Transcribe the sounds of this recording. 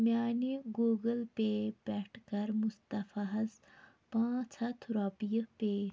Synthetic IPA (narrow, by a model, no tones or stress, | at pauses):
mjaːneɡuːɡəlpebɛːʈʰkɐɾmʊst̪ɐfɐɦɐz | pãːt͡ʃʰɐt̪ʰɾoːpijəpe